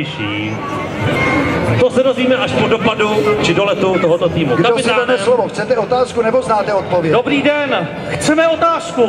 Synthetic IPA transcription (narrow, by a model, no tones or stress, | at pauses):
ɪʃiː | t̪osɛdo̞zviːmɛʔaʃpodopadut͡ʃɪdolɛt̪ut̪oɦot̪ot̪iːmuɡkaopɪst̪aːdaɛslovoxt͡sɛt̪ɛot̪aːskunɛboznaːt̪ɛot̪̚povjɛdobɾiːdɛn | xt͡sɛmɛot̪aːsku